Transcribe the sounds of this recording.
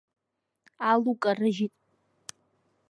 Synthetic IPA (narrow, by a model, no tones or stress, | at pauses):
alukʼarɨʒitʼ